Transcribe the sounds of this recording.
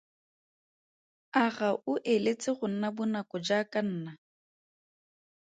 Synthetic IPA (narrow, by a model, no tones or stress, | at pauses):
aɣaʔʊʔelet͡sʼɪχʊn̩nabʊnakʼɔd͡ʒakʼan̩ːna